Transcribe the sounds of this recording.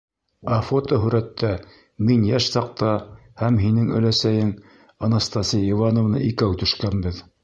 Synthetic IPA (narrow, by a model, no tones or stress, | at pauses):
ɑfot̪oɦɵ̆ɾæt̪ːæ | minjæʃsɑq̚t̪ɑ | hæmɦinɘŋɵ̰̆læsæjɘŋ | ɑnɑst̪ɑsʲijivɑnŏvnɑ̰ʔikæwt̪ɵ̆ʃkænbɘð